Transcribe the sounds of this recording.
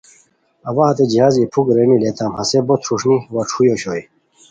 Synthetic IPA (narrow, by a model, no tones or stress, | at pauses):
ɐwaɦɐt̪ed͡ʑiɦaːzipʰukɾenilet̪ʰaːmhɐsebot̪ʰɾuʂniwɐʈ͡ʂʰujoɕoːj